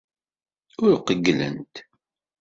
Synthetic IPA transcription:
ʊɾqəɡlə̰nt̪

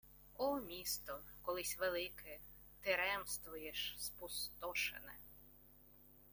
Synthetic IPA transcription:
ɔmʲist̪ɔkɔlˠɪsʲʋelˠɪkɛ | t̪ɪɾɛmst̪ʋʊjeʃspʊst̪ɔʃḛnɛ̰

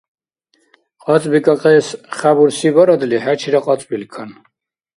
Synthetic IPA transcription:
qʼɑt͡sʼbikʼaqʼɛːsχabuɾsibaɾad̪lihæt͡ʃʰiɾaqʼat͡sʼbilkʰan

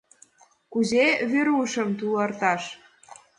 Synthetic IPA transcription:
kuzeβeɾuʃə̆mt̪ulərt̪ɑʃ

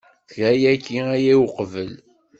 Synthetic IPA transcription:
θɾæjækːiæjiwqvəl

